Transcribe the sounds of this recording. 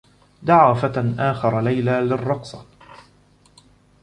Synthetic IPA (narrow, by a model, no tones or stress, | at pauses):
d̪aʕaːfat̪nʔaːxɑɾˤɑlajlaːlɪrˤːɑqsˤɑ